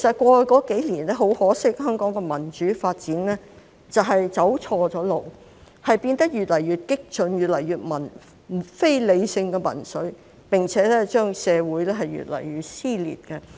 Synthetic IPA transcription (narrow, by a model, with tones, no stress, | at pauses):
kʰe˨˩sɐ˨t̚kʷɔː˧kɔː˨˥ke˨˥jliː˨˩nlɛː˥ɦo˨˥whɔː˨˥sɪ˥k̚hœː˥ŋkɔː˨˥ŋkɛ˧mɐ˨˩nt͡ʃyː˨˥faː˧t̚t͡siː˨˥nlɛː˥ | t͡sɐ˨wɦɐ˨jt͡sɐ˨˥wt͡sʰɔː˧t͡sɔː˨˥lo˨w | hɐ˨jpiː˧nt̪ɐ˥k̚jyː˨t̚lɐ˨˩jyː˨t̚kɪ˥k̚t͡ʃɵ˨njyː˨t̚lɐ˨˩jyː˨t̚mɐ˨˩n˨ | fe˥jle˨˧jsɪ˧ŋkɛ˧mɐ̰˨˩nsɵ˨˥ɥ | pɪ˨ŋt͡sʰɛː˨˥lɛː˥t͡ʃœː˥ŋsɛː˨˧wuː˨˥jlɛː˥ɦɐ˨jɥy̰˨t̚lɐ̰˨˩jɥyː˨t̚siː˥lḭː˨˩t̚kɛ˧